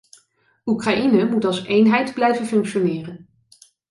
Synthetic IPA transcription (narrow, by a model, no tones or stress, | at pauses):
ukrajʔinəmutɑlˠsejnɦɛjdblɛjvənfɵŋkʃonɪːrən